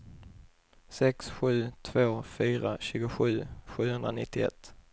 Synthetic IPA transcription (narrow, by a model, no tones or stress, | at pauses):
sɛksɧʉ̟ːt̪ʰvoːfyːɾaɕʉ̟ːɡʊɧʉ̟ːɧʉ̟ːhɵnd̪ɾanɪt̪ːɪɛ̰t̪ː